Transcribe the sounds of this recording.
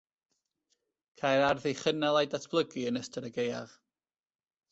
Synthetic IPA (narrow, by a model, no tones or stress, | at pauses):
kʰajɾarðejχənɛlˠajdatʰb̥lˠəɡiənəstʰəɾəɡeja̰ʁ